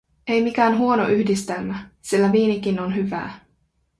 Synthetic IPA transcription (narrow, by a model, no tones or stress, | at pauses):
ejmikæːnɦuonoʔyhdist̪emːæsilːæʋiːnik̟inonɦyʋæ̰ː